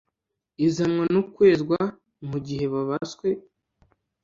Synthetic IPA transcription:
izamŋanukwe̞ːzɡwa | muɟiɦe̞βaβaskwe

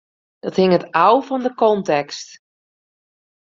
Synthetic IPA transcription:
d̥ɔthɪŋətawvɔndəkɔntɛkst

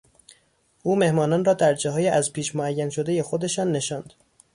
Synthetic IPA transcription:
ʔuːme̞hmɒːnɒːnrɒːd̪æɾd͡ʒɒːɦɒːjeʔæzpʰiːʃmoæjːænʃo̞d̪e̞je̞xod̪e̞ʃɒːnːe̞ʃɒːnd̪̥

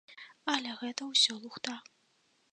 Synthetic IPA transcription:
ɐlʲɛɣɛt̪ɐwsʲɔlˠuxt̪a

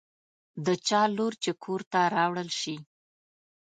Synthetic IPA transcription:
d̪ət͡ʃɑloɾt͡ʃekʰoɾt̪aɾɑwɽəlʃi

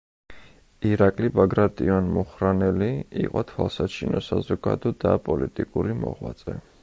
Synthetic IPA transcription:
iɾakʼlibaɡɾat̪ʼianmuχɾanɛliiqʼɔt̪ʰwalˠsat͡ʃʰinɔsazɔɡad̪ɔd̪apʼɔlit̪ʼikʼuɾimɔ̰ʁwat̪sʼɛ

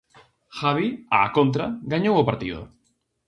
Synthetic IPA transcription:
xaβiaːkont̪̬ɾaɡaɲowʊpaɾt̪iðʊ̰

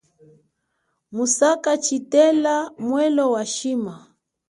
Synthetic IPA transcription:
musakat͡ʃitɛlamwɛlɔwaʃima

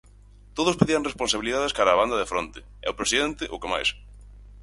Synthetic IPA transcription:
t̪oðʊspeðiɐŋrespõnsaβiliðaðeskaɾaːβand̪ɐðefɾont̪ɪ̥ | ɛ̰ʊpɾesiðent̪ɪʔʊkema̰js

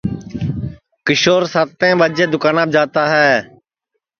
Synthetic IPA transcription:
kɪʃoːɾsaːt̪ːẽːɓaːd͡ʒeːd̪ʊkaːnaːb̚d͡ʒaːt̪aːɦɛː

